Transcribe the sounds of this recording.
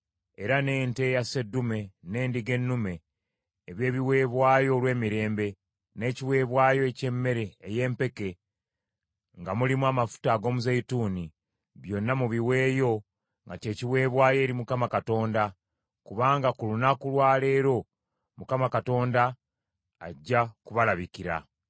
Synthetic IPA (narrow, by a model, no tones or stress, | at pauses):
e̞ɾane̞ːnte̞jase̞dːume̞ne̞ːndiɡe̞nːume̞ː | βje̞ːβiwe̞ːβwaːjo̞lwe̞ːmiɾe̞ːmbe̞ | ne̞ːciwe̞ːβwaːjo̞ece̞mːe̞ɾe̞ːje̞ːmpe̞ke̞ | ŋɡamulimwamafu̥taɡo̞ːmuzeituːni | βjo̞nːamuβiwe̞ːjo̞ | ŋɡace̞ːciwe̞ːβwaːje̞ːɾimukamakato̞ːnda | kuβaːŋɡakulunakulwaːle̞ːɾo̞ | mukamakato̞ːndaː | ɟːakuβalaβikiɾa̰